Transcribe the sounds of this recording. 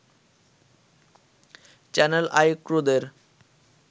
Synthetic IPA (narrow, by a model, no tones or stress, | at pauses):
t͡ɕɛnela̰jkɾud̪eɾ